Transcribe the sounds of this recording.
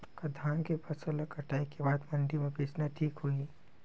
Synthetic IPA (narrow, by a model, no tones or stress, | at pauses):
kɐd̪ʱaːnkepʰɐsəlakɐʈaːikebaːd̪mɐnɖ̪imẽpeːsnaʈʰiːkɦui